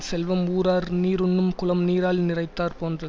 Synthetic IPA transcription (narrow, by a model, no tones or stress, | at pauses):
sɛlʋɐmuːɾaːɾniːɾʊnːɯmkʊlɐmniːɾaːlnɪrɐɪt̪ːaːɾpoːndrɐ